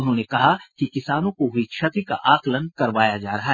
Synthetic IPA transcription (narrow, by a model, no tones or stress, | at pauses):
ʊnɦõːnekɐɦakikɪsaːnõkoɦʊit͡ʃʰɐt̪ɾika̰ʔaːklənkɐɾʋaːjad͡ʒaːɾɐɦaɦ